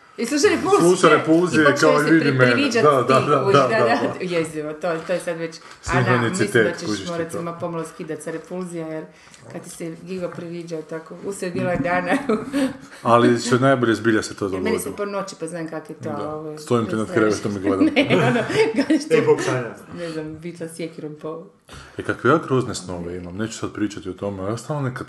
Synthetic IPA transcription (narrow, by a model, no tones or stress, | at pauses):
islˠuʃ̬ajepult̪usoɾepulzijekaoiiɾd̪imenʋid͡ʒatd̪ad̪ad̪auad̪ad̪ajesd̪iʋot̪ot̪ojesad̪ʋet͡ɕ | siɦanisit̪eːt̪at͡ʃeuiʃoːɾat̪iimapomaloskid̪at̪ʲsaɾepulzijajeɾ | kad̪t̪i̥seɡiɡapɾiʋid͡ʒat̪akouseɡilaed̪aːnau | alisoenajboʎezbiʎaset̪oːd̪oɡmeondsiponot͡ɕi̥paznaːemkakjet̪ooʋost̪oimt̪inad̪kɾeʋeʃt̪omiɡled̪neonoɡaɲaʃt̪okaɲaneznambit̪lˠasjekiɾompo | ekakʋejaːɡɾoːznesnoʋeimamneːt͡ʃu̥sad̪̚pɾiːt͡ʃat̪iot̪omeost̪alonekad̪